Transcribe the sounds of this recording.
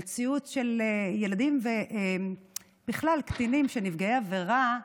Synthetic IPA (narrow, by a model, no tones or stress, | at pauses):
t͡siutʃe̞lejelad̪imveʔe | b̥iχlalkt̪inimʃenivɡeeaveʁa